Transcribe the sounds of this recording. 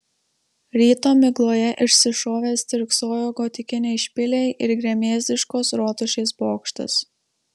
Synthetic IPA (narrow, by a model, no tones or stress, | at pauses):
ɾʲiːt̪oːmʲɪɡlˠoːjɛʔɪʃʲsʲɪʃoːʋʲeːst̪ʲɪɾksoːjoːɡoːt̪ʲɪkʲɪnʲɛɪʃʲpʲɪlʲɛɪʔɪɾɡɾʲɛmʲeːzʲd̪ʲɪʃkoːsɾoːt̪ʊʃʲeɪsboːkʃt̪ʲɪ̰s